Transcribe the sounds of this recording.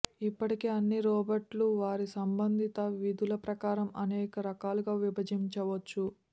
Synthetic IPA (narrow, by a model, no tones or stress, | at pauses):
ipːɐʈikeːɐnːiɾɔːbɐɾʈluʋaːɾisɐmbɐnd̪ʱit̪ɐʋid̪ulɐpɾɐkaːɾɐmɐnɛːkɐɾɐkaːluɡaːʋibɐd͡ʒiɲt͡ʃɐʋɐt͡ʃːu